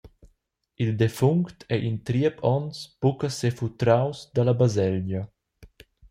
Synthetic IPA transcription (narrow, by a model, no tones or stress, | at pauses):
ild̪efuŋkt̪ʰɛʔint̪ɾiəpʰɔnspukasefut̪ɾawsd̪alabazɛld͡ʒɐ